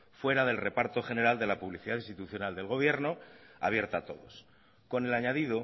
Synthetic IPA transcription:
fwe̞ɾaðe̞lre̞paɾt̪o̞xe̞ne̞ɾald̪elapuβliθiðaðinst̪it̪uθjo̞nald̪e̞lɣo̞β̞je̞ɾno̞a̰βje̞ɾt̪aːt̪o̞ðo̞̰s | ko̞ne̞laɲaðiðo̞

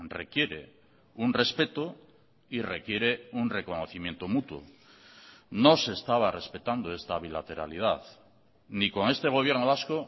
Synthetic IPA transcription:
re̞kje̞ɾe̞̰ | unre̞spe̞t̪o | ire̞kje̞ɾe̞unre̞ko̞noθimje̞nt̪o̞mut̪wo̰ | no̞se̞ːst̪aβare̞spe̞t̪and̪oe̞st̪aβilat̪e̞ɾa̰lið̞aθ | niko̞ŋe̞st̪e̞ɣ̞o̞β̞je̞ɾnoβasko

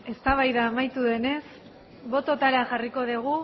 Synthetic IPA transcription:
e̞st̪aβajðaːmajt̪uðe̞ne̞s | βo̞t̪o̞t̪aɾeaʝariko̞ðiɣ̞u

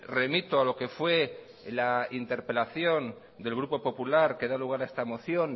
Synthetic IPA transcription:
re̞mit̪oalo̞ke̞fwe̞ | laint̪e̞ɾpe̞laθjo̞n | d̪e̞lɣɾupo̞po̞pulaɾke̞ðaluɣ̞aɾaest̪amo̞θjo̞n

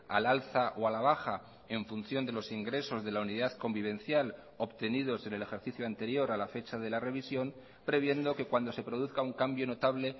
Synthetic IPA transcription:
a̰lalθaʔoalaβ̞axa | e̞ɱfun̟θjo̞nd̪e̞lo̞siŋɡɾe̞so̞zðe̞launiðaðko̞mbiβ̞e̞nθjal | o̞pt̪e̞nið̞o̞se̞ne̞le̞xe̞ɾθiθjoant̪e̞ɾjo̞ɾalafe̞t͡ʃaðe̞lare̞β̞isjo̞m | pɾe̞βje̞nd̪o̞ke̞kwand̪ose̞pɾo̞ð̞uθkauŋkambjo̞no̞t̪aβle̞

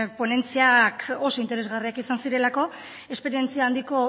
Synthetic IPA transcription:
po̞ne̞nt͡siako̞so̞int̪e̞ɾe̞zɣariakisansiɾe̞lako̞ | e̞spe̞ɾie̞nt͡siaːnd̪iko̞

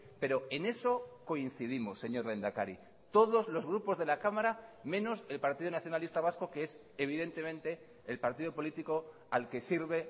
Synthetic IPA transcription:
pe̞ɾo̞e̞ne̞so̞ko̞in̟θiðimo̞sːe̞ɲo̞ɾle̞nd̪akaɾi | t̪o̞ðo̞zlo̞zɣ̞ɾupo̞zðe̞lakamaɾamẽ̞no̞se̞lpaɾt̪iðonaθjonalist̪aβ̞asko̞kees | eβ̞iðe̞nt̪e̞mẽ̞nt̪e̞ː | lpaɾt̪iðopo̞lit̪iko̞ | alke̞siɾβe̞

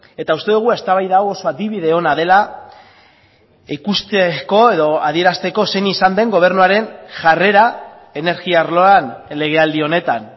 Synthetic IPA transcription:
e̞t̪aust̪e̞ðuɣ̞ue̞st̪aβajðawoso̞aðiβiðe̞o̞nað̞e̞la | ikust̪eko̞e̞ðo̞aðie̞ɾast̪e̞ko̞se̞nisand̪e̞ŋɡo̞β̞e̞rnuaɾe̞nʝare̞ɾa | e̞ne̞ɾɣiaɾlo̞anle̞ɣ̞e̞ald̪io̞ne̞t̪an

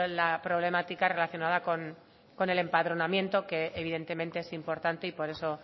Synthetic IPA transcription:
lapɾo̞βle̞mat̪ikare̞laθjonað̞ako̞n | ko̞ne̞le̞mpaðɾo̞namjẽ̞nt̪o̞ke̞ːβ̞iðe̞nt̪e̞mẽnt̪e̞esimpo̞ɾt̪ant̪eipo̞ɾe̞so̞

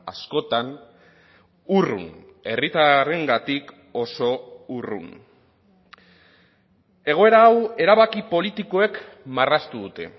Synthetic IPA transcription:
asko̞t̪an | urṵne̞rit̪aɾe̞ŋɡat̪ik | o̞so̞urṵn | e̞ɣ̞o̞e̞ɾaːwe̞ɾaβakipo̞lit̪iko̞e̞k | marast̪uðut̪e̞̰

